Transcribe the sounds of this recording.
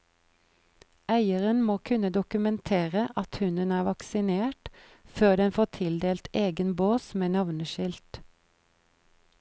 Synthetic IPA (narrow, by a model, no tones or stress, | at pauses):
ʔæɪəʁənmoːkʰʉnəd̪ʊkʉmɛnt̪ʰeːʁəʔɑt̪hʉnənæːʋɑksɪneːʈ | føːd̪ɛnfoːt̪ʰɪld̪eːlt̪eːɡənboːsmeːnɑʋnəʃɪlt̪